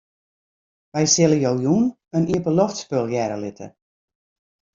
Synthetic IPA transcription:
ʋɛjsɪlˠəjowjun | əniəpəlɔxtspølˠjɛɾəlɪtʰə̰

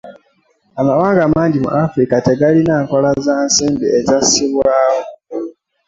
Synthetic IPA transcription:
amawaːŋɡaːmaːɲɟimṵʔafɾikate̞ɡalinaːŋko̞lazaːnsiːmbiezasiβwaːwo

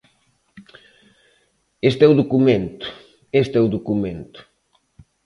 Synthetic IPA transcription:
est̪ɛuðokumẽnt̪ʊ̥ | est̪ɛuðokumẽnt̪ʊ̥

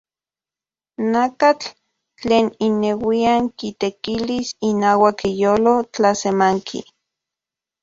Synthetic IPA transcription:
nakat͡ɬ | t͡ɬeːninːewiaŋkit̪ekilisinaːwakijoːlot͡ɬasemaŋkʰḭ

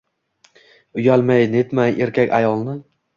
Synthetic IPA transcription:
ʊjalmajnet̪majʔeɾkʲakʲajɒlˠnɪ

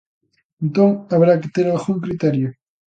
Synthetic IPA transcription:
ẽnt̪oŋaβɾakɪt̪eɾalɣuŋkɾit̪ɛɾjʊ

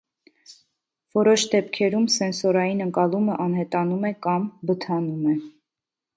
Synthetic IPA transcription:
v̥ɔɾɔʃd̪ɛpkʰɛɾumsɛnsɔɾɑjinəŋkɑluməʔɑnhɛt̪ɑnumɛkɑmbət̪ʰɑnumɛ

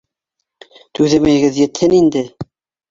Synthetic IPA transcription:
t̪ʉðɘmæjɡɘðjɘ̆t̪hɘnind̪ɘ

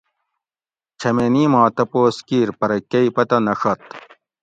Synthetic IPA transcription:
t͡ɕʰɐmeniːmɑ̃ːt̪ɐpoːskiːɾpɐɾɐkɐipɐt̪ɐnɐxɐt̪

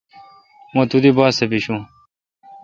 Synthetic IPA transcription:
mõːt̪ud̪iːbaːsebiɕũː

